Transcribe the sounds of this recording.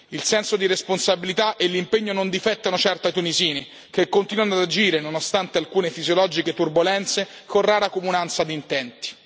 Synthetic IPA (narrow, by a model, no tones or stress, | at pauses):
ilsɛnsod̪iɾesponsabilit̪aʔelːimpeɲːonond̪ifɛt̪ːanot͡ʃɛrt̪at̪uniziːne | k̟ekːont̪inwanad̪ad͡ʒiːɾenonost̪ant̪ealkuːnefizjolɔːd͡ʒiket̪urbolɛnt̪se | koraːɾakomunant̪sad̪int̪ɛnt̪i̥